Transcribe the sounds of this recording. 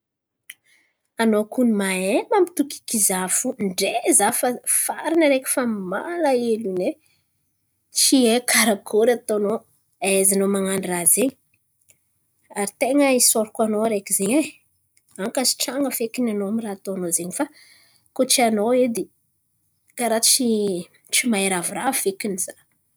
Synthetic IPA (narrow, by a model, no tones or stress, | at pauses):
anokunimaembamit̪uki̥kizafuɳɖ͡ʐezafafaɾinəɾeki̥fama̰laelune | t͡ʃiekʰaɾakʰoɾat̪ono | aezanomaŋaɳirazeɲ | aɾit̪eŋəisoɾikʲanoɾekizeɲe | aŋkasi̥ʈ͡ʂaŋɡəfekinanoamirat̪onozeɲifa | kot͡ʃianoed̪i | kaɾat͡ʃi | t͡ʃimaeɾavuɾavekiniz̥ḁ